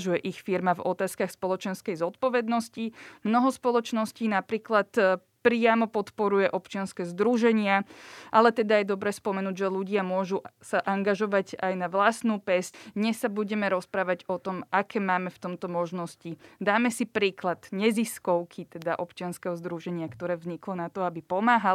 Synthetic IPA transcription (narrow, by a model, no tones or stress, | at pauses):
ʒujɛʔixfiɾmavɔt̪aːskaxspɔlɔt͡ʃɛnskɛjzɔt̪̚pɔʋɛd̪nɔscimnɔɦɔspɔlˠɔt͡ʃnɔsciːnapɾiːklat̪ | pɾɪamɔpɔt̪pɔɾujɛʔɔpt͡ʃɪanskɛːzd̪ɾuʒɛɲɪaʔalɛt̪ɛd̪ajɛd̪ɔbɾɛːspɔmɛnuːɟʒɛluɟɪamʊɔʒusaʔaŋɡaʒɔʋaɟajnaʋlasnuːpɛsɲɛsːabuɟɛmɛɾɔspɾaːʋaɟɔt̪ɔmakɛːmaːmɛft̪ɔmt̪ɔmɔʒnɔscid̪aːmɛsipɾiːklad̪ɲɛziskɔʊkʰit̪ɛd̪aʔɔpt͡ʃɪanskɛɦɔzd̪ɾuʒɛɲɪakt̪ɔɾɛːvzɲiklɔnat̪ɔabipɔmaːɦa